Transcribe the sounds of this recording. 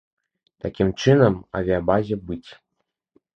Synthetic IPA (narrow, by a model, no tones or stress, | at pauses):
t̪akʲimt͡ʂɨnɐmɐ̰vʲiabazʲɛbɨt͡sʲ